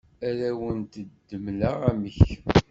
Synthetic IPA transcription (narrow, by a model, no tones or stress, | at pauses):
æɾæwənt̪əd̪ːəmlaʁæməç